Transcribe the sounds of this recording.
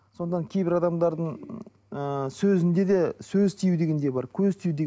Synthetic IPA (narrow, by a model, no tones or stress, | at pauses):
so̞nɑŋkʲʰe̞jbɪɾɑd̪ɑmd̪ɑɾd̪əɴ | əsɵzɪnd̪e̞d̪e̞sɵzt̪ʰijud̪e̞ɡʲe̞nd̪e̞bɑɾkʲʰɵzt̪ʰijud̪eɡ